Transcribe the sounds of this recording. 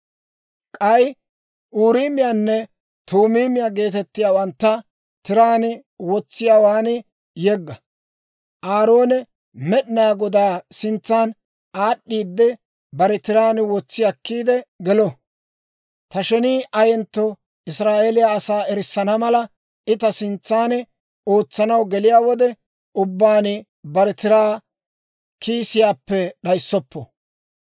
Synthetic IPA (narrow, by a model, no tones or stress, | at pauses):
kʼɐj | ʔuːɾiːmɪjaːnːɛ | t̪uːmiːmɪjaɡe̞ːt̪ɛt̪ːɪjaːwɐnt̪ːɐ | t̪ɪɾaːnɪ | wɔt͡sːɪjaːwaːnɪ | jɛɡːɐ | ʔaːɾoːnɛ | mɛɗɪnaːɡɔd̪aːsɪnt͡sːaːn | ʔaːɗːiːd̪ːɛ | bɐɾɛt̪ɪɾaːnɪwɔt͡sːɪjɐkːiːd̪ɛɡɛlɔ | t̪ɐʃɛniːʔɐjɛnt̪ːɔ | ɪsɾaːʔeːlɪjaːsaːɛɾɪsːɐnɐmɐlɐ | ʔɪt̪ɐsɪnt͡sːaːnɛ | o̞ːt͡sːɐnɐwɡɛlɪjaːwɔd̪ɛ | ʊbːaːnɪ | bɐɾɛt̪ɪɾaː | kʰiːsɪjaːpːɛɗɐjsːɔpːɔ̰